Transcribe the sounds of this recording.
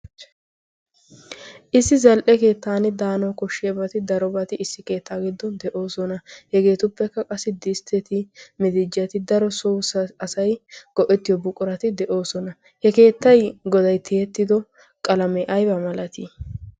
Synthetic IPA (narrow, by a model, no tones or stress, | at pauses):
ʔɪsːɪzɐlʔɛke̞ːt̪ːaːnɪd̪aːnɔwkɔʃːɪjɐbɐt̪ɪd̪ɐɾɔbɐt̪ɪʔɪsːɪke̞ːt̪ːaːɡɪd̪ːɔnd̪ɛʔo̞ːsɔnɐhɛɡe̞ːt̪ʊpːɛkːɐkʼɐsːɪd̪ɪst̪ʰɛt̪ɪmɪd̪ɪd͡ʒɐt̪ɪd̪ɐɾɔsɔwsɐɐsɐjɡ̥ɔʔɛt̪ːɪjɔbʊkʼʊɾɐt̪ɪd̪ɛʔo̞ːsɔnɐ | hɛke̞ːt̪ːɐjɡɔd̪ɐjt̪ʰɪɛt̪ːɪd̪ɔ | kʼɐlɐmɛʔɐjbɐmɐlɐt̪ɪ